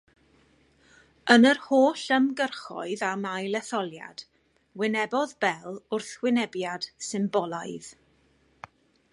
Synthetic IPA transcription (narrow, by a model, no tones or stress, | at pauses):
ənərhoːɬəmɡərχɔ̰ɨðamajlɛθɔlˠja̰d̥ | wɪnɛbɔðbɛlˠʊrθwɪnɛbjad̥sɪmbɔlˠaɨð